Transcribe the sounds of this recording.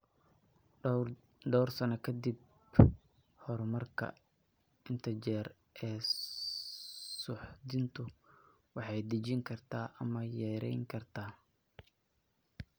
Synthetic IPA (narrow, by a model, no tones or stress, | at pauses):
ɖɔwrsɐnɐkʰɐd̪ib̚ | hɔɾmɐrkʰɐ̰ | ɪnt̪ʰɐt͡ʃɛːr | ɛː | sʊħd̪ɪnt̪ʰʊ | wɑħɑjd̪ɪt͡ʃɪŋkʰɐrt̪ʰaːʔɐmɐjɛːɾɛ̰jŋkʰɐrt̪ʰaː